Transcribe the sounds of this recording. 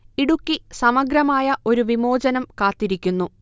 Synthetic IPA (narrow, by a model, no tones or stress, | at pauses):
iɽukːisɐmɐɡɾɐmaːjɐʔo̞ɾuʋimo̞ːd͡ʑɐnɐmkaːt̪ːiɾikʲːunːu